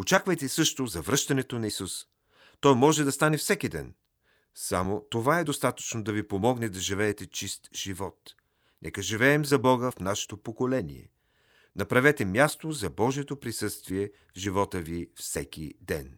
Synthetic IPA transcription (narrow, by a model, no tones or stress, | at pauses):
ot͡ʃakvɐjt̪ɛsɤʃt̪ozɐvɾɤʃt̪ɐnɛt̪onɐisus | t̪ɔjmɔʒɛd̪ɐst̪anɛfsɛkid̪ɛ̰n | sa̰mot̪ovaɛd̪ost̪at̪ə̥t͡ʃnod̪ɐvipomɔɡnɛd̪ɐʒivɛːt̪ɛt͡ʃist̪ʒ̥ivɔt̪ | nʔɛkəʒivɛːmzɐbɔɡəfnaʃɛ̥t̪opokolɛnḭɛ̰ | nɐpɾɐvɛt̪ɛmjast̪ozɐbɔʒijɛt̪opɾisɤst̪viɛ | vʒivɔt̪əvifsɛk̟ʲḭd̪ɛ̰n